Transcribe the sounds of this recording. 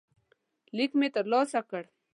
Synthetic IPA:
likmet̪ɐloːsakəɽ

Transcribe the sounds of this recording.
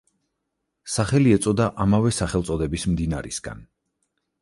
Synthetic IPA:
saχɛliɛt̪sʼɔd̪aʔamavɛsaχɛlt̪sʼɔd̪ɛbismd̪ina̰ɾḭsɡa̰n

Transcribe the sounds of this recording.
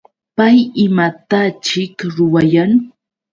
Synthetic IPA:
pajɪmat̪at͡ʃɪkɾʊwajaŋ

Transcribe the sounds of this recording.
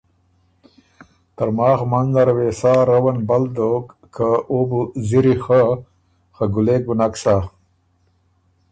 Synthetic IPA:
t̪ɐɾmaːxmanzaɾweːsaːɾɐwɐnbɐld̪okːʰaobuziɾixə | xəɡuleːk̚bunaksa

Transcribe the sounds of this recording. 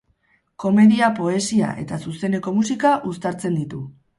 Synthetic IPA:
ko̞me̞ðiapo̞e̞sia̰ʔe̞̰t̪asuse̞ne̞ko̞musikaʔust̪aɾt͡se̞nd̪it̪u

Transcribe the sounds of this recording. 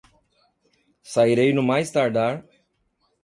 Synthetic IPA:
sajɾejnumaːjst̪aɾɖaːɾ

